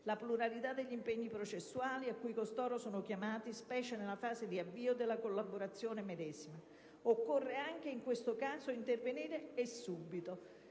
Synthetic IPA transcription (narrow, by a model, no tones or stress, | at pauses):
lapluɾalit̪ad̪ːeʎːimpeɲːipɾot͡ʃesːuaːliakːujkost̪ɔːɾosoːnokʲjamaːt̪ispɛːt͡ʃenelafaːzed̪iavːiːod̪elːakolːaboɾat̪sːjoːnemed̪ɛːzima | okːorːeaŋk̟eiŋkwest̪okaːzoint̪erveniːɾeːsːubːit̪o